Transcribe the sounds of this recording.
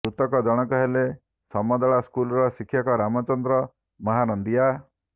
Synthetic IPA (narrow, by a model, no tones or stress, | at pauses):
ɾut̪ɔkɔd͡ʒɔɽ̃ɔkɔɦele | sɔmɔd̪ɔɭaskulɔɾɔsikʰːjɔkɔɾamɔt͡ʃɔnd̪ɾɔ | mɔɦanɔnd̪ija